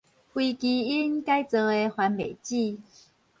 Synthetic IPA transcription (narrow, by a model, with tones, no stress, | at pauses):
hwi˧ki˧i˦nka˦˥jt͡sɤ˧e˧xwa˧nmḛ˨˩jt͡ɕi˥˧